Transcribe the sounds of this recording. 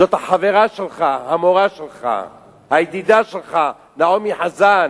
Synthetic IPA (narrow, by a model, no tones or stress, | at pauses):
zot̪haħave̞ʁaʃelχahamoʁaʃelχa̰ | hajd̪id̪aʃelχa | naomiħazan